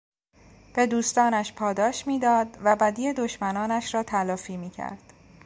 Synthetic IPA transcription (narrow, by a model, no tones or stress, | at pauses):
b̥e̞d̪uːst̪ɒːnæʃpʰɒːd̪ɒːʃmiːd̪ɒːd̪væbæd̪iːed̪oʃmænɒːnæʃɾɒːt̪ʰælɒːfiːmiːcʰæ̰ɾd̪̥